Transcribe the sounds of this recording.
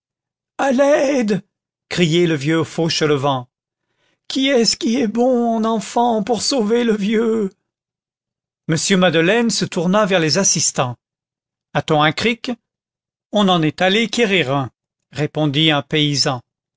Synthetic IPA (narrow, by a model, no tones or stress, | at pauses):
alɛd̪ | kχijɛləvjøfoʃələvɑ̃ | kʲʰiɛsə̥kʲiɛbɔ̃ɔ̃nɑ̃fɑ̃puʁsoveləvjø | məsjømad̪əlɛnsət̪uʁnavɛʁlezasist̪ɑ̃ | at̪ɔ̃ɛ̃kχik | ɔ̃nɑ̃nɛt̪alekʲeʁiʁɛ̃ | ʁepɔ̃d̪iɛ̃peizɑ̃